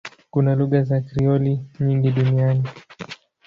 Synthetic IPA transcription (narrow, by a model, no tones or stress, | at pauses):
kunaluɣazakɾiɔliɲiŋɡiɗuniani